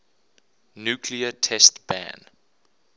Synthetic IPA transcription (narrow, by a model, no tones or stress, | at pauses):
njuːkʰliətʰɛstb̥æ̰̃n